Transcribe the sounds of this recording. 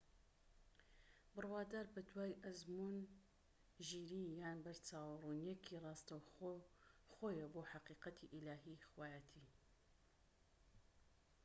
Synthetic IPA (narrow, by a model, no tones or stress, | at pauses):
bɨrwaːd̪aːɾbɐd̪waːjʔɐzmuːn | ʒiːɾijaːnbɐɾt͡saːwrunjɛkʰirˤɑːst̪ɐw | xoːjɐboːħaqiːqɐt̪ʰiʔilaːɦixwaːjat̪ʰiː